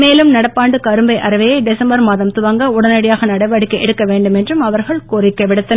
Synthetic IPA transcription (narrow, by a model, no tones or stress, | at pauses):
meːlɯmnɐɽɐpːaːɳɖɯkɐɾɯmbɐɪʔɐɾɐʋɐjɐɪɖɛsɐmbɐɾmaːðɐmt̪ʊʋɐŋɡɐʊɽɐnɐɽɪjaːɣɐnɐɽɐɪʋɐɽɪkːɯɛɽɯkːɐʋeːɳɖɯmɛndrɯmɐʋɐɾɣɐɭkoːrɪkːɐʋɪɽɯt̪ːɐn